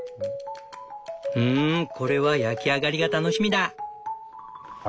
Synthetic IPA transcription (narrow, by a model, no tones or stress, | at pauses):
ɯ̟̃ːkʰo̞ɾe̞βajakʲiaɡaɾʲiɡat̪ano̞ɕimʲid̪a